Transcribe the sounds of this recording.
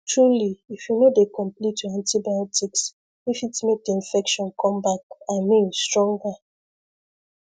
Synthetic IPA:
tɹuliifjunodekɔ̃mplituãntibajɔtiks | ifitmek̚deĩnfɛkʃɔ̃nkʰɔ̃mbakaɪmĩnstɹɔ̃ŋɡa

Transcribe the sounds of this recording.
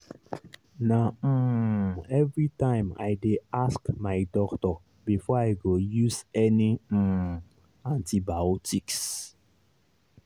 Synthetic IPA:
na | ɛvɹitãɪ̃ma̰jdeaskmajdɔktɔ | bifɔajɡojuzɛni | ãntibaɔtiks

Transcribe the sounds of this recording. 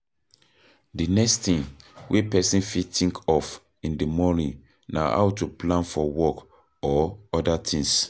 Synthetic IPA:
dinɛkstĩnwʔepɛsĩnfitʰĩŋkʰɔf | ĩndimɔnĩn | na̰ha̰wtuplãnfɔwɔk | ɔɔdatʰĩŋs

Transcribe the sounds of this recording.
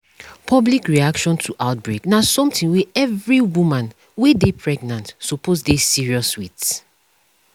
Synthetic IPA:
pʰɔblikɹiakʃɔ̃ntʰuʔaʊt̚bɹeknasɔ̃mtĩŋwɛɛvɹiwumãn | wedepʰɹɛɡnãntsɔpʰozdesiɹiɔswits

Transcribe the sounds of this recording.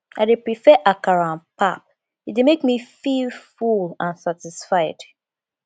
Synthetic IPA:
aɪdepɹifɛʔakaɹãnpap̚ | itdemekmifilfulãnsatisfaɪd̥

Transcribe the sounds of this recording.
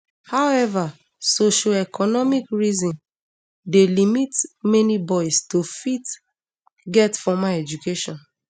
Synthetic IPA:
hawɛva | soʃoɛkʰɔnɔmikɹizĩn | delimitmɛnibɔɪstofit | ɡɛtfɔmaɛd͡ʒukeʃɔ̃n

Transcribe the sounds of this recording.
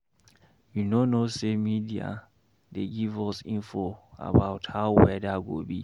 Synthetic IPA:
junonosemidia̰ | deɡivɔsĩnfoa̰baʊthaʊwɛdaɡo̰bi

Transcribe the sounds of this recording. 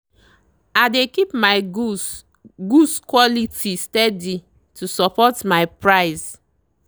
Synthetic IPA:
adekipmaɪ | ɡuskwɔlitistɛdi | tʰusɔpɔtmaɪpɹaɪs

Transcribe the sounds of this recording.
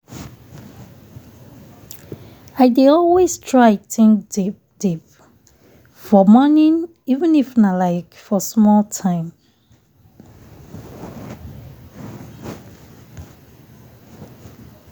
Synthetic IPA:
aɪdiɔlwestʰɹaɪtʰɪ̃ŋdipd̥ip̚ | fɔmɔnĩn | ivə̃nifnalaɪkfɔsmɔltʰãɪ̃m

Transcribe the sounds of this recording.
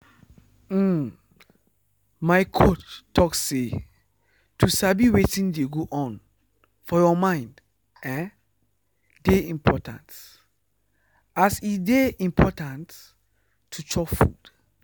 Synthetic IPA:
m̩ | maɪkʰot͡ʃːɔkse | tʰusabiwetĩndeɡoʔɔ̃n | fɔjɔmãɪ̃nd | ɛ | deĩmpʰɔ̰tã̰nt | asideĩmpʰɔtãntʰː | ut͡ʃɔfṵd̥

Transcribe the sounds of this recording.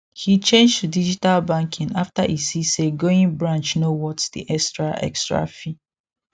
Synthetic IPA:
hit͡ʃẽnd͡ʒtudid͡ʒitalbãŋkʰĩnaftaʔisiseɡoĩŋbɹãnt͡ʃnowɔtdḭʔɛkstɹaʔɛ̰kstɹa̰fi

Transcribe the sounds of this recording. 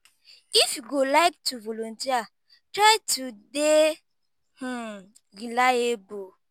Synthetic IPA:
ifjuɡolaɪk̚tuvolontia | tɾaɪtude | h̩ | ɾilaebo

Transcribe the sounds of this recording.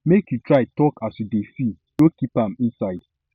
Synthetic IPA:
mekjutɾaɪtɔkasudefi | ɡokipãmĩnsaɪd̥

